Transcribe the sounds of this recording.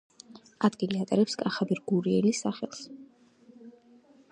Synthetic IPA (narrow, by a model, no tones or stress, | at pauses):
ad̪ɡiliat̪ʼɛɾɛpskʼaχabɛɾɡuɾiɛlisaχɛ̰lˠs